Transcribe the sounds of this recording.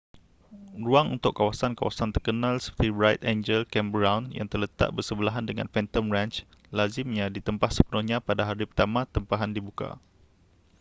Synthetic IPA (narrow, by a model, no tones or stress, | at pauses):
ruaŋṵnt̪ʊkːawasanka̰wa̰sant̪ərkənãlsə̥pərt̪ibɾajt̪end͡ʒəlkɛmbɾãwnja̰ŋt̪ərlət̪a̰ʔ̚bərsəbəlaɦandəŋã̰nfɛnt̪əmrãnt͡ʃ | lazɪmɲãdit̪əmpahsəpənʊhɲãpadaɦaɾipərt̪amãt̪əmpaɦandibuka̰